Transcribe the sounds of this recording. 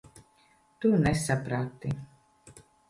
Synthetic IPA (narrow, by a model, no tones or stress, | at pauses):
t̪unɛsapɾat̪ːi